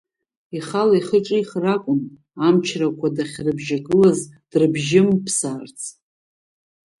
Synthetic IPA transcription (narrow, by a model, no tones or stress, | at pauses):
iχalaiχəʈ͡ʂʼɨiχrakʷʼʊn | amt͡ʃʰrakʷʰadaχʲrɨbʒaɡɨlazd̥rɨbʒɪmpʰsaːrt͡sʰ